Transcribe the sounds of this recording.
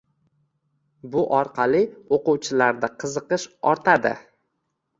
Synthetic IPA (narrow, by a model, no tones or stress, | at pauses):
bʊʔɒɾqʰɑlˠɪoquwt͡ʃʰɪlaɾd̪aqʰɨzɨqɨʃɒɾt̪ʰad̪ɪ̰